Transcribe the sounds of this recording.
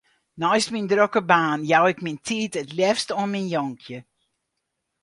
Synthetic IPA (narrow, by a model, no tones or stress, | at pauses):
nɔjstmindrokəbaːnjawɪkmintʰiːtətljɛfstoənminjɔŋkʰjə